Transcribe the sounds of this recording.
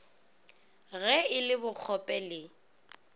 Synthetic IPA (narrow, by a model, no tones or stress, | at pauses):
ɣɛɪlɪbʊk͡xʰɔpʼɛlɪ